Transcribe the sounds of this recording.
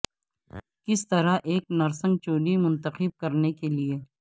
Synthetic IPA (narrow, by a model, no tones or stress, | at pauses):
kɪst̪ɐɾaʔeːk̚nɐɾsə̃ŋɡ̚t͡ʃoːlimʊ̃nt̪əxɪb̚kɐɾnekelieː